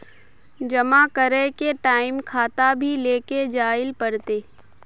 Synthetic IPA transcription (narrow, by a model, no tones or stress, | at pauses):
d͡ʒɐmakəɾekeʈaːɪmkʰaːt̪abʱileːked͡ʒaːɪlpəɽt̪eː